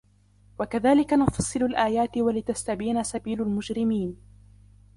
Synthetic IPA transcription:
wakaðaːlɪkanʊfɑsˤːɨlʊlʔaːjaːt̪ɪwalɪt̪ast̪abiːnasabiːlʊlmʊd͡ʒɾɪmiːn

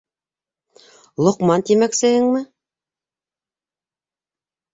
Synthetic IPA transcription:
lˠŏqmɑnt̪imæksɘ̆ɦɘŋmɘ

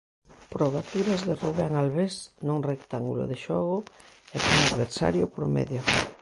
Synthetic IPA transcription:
pɾoβat̪uɾazðeruβɛŋalβesnõŋrekt̪aŋɡṵlʊ̰ðeʃɔɣʊɛkoŋaðβeɾsa̰ɾjʊpɾomɛ̰ðjʊ

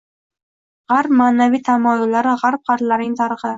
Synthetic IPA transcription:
ʁaɾpmaːnavijt̪ʰamɒjʊlːaɾɪʁaɾp̚χɑɾt̪laɾnɪŋt̪ʰɑɾəχɨ

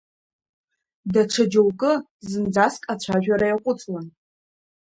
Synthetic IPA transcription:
daʈ͡ʂʰad͡ʒowkʼɨzɨnd͡zaskʼat͡ɕʷʰaʒᶣaɾajaqʷʼʊt͡sʼlan

